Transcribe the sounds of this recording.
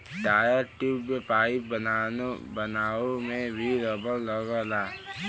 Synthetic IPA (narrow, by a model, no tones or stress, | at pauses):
ɖaːjəɾʈuːbepaːɪip | bənaːomẽbʱiɾəbəlːəɡəlaː